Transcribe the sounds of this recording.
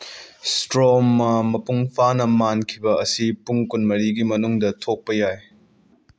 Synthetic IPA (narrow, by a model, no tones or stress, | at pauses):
stɾomːɐmɐpuŋpʰanɐmankʰibɐɐsipuŋkunmɐɾiɡimɐnuŋdɐtʰok̚pɐjaj